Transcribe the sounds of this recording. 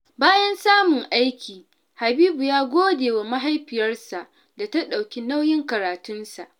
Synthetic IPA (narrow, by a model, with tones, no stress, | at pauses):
baː˦jɐ˦nsaː˦mʊ˨ŋʔa˦jkʲiː˨ | ha˨biː˦bu˨jaː˦ɡʷoː˦deː˨wa˨ma˦ɦa˦jɸɪ˨jɐ˦rsa˨ʔ | da˨ta˦ɗa˨wkʲi˦na˦wjɪ˦ŋkɐ˨ɾaː˨tʊ˦nsa˨ʔ